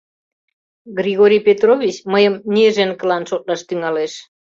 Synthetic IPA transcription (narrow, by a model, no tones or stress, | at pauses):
ɡrʲiɣoɾʲijpʲet̪rovʲit͡ɕməjəmnʲeʒenkəlɑnʃot̪̚lɑʃt̪yŋɑleʃ